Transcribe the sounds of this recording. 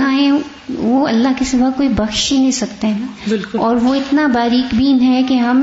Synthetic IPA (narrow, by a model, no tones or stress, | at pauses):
aɛ̃ | ʋoɐlːaɦkisɪbakoːibɐxʃinẽsɐkt̪eɦɛ̃ːbɪlkɔːɾʋoɪt̪nabaːɾiːkbiːnɦɛkeɦɐm